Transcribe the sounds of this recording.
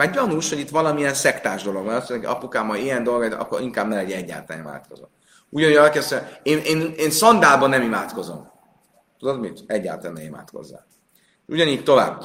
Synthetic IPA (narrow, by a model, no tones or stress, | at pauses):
aːɟɒnuʃho̞ɟit̪ʋɒlɒmiɛnsɛkt̪aːʒd̪o̞lo̞ɡmɛɒst̪ʰːonkɒ̰pukaːmɒjijɛnd̪o̞lɡɒit̪ɒ̰kːo̰ɾiŋkaːbnɛlɛɟɛɛɟːa̰ːt̪a̰ːnima̰ːt̪ko̞̰zo̰m | uɟɒnujɛlkɛsɛeːnʔeːneːnsɒnd̪aːbɒnːɛmimaːt̪ko̞zo̞̰m | t̪ud̪o̞d̪mit̪ɛɟːa̰ːt̪lːnɛima̰ːt̪ko̞̰zːa̰ː | ʃuɟɒniːct̪o̞va̰ːb